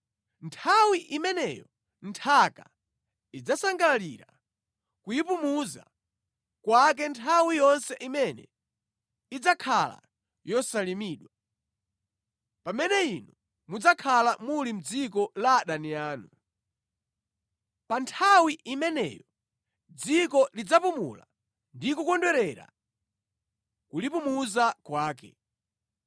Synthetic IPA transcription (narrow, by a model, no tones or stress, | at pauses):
ntʰawiʔimɛnɛ̰jɔ | ntʰaka̰ | id͡zasaŋɡaliɾa | kujipumuza̰ | kwak̬ɛntʰawijɔnsɛʔimɛnɛ̰ | id͡zakʰala̰ | jɔsalimiːɗwa | pamɛnɛinu | mud͡zakʰalamulim̩d͡zikɔlaɗaniaːnu | pantʰawiʔimɛnɛ̰jɔ | d͡zikɔlid͡zapumṵla̰ | ndikukɔndwɛɾɛɾa̰ | kulipumuzakwaːkɛ̰